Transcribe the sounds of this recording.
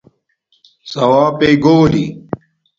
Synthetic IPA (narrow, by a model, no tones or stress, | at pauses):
sɐwaːpeːɡoːli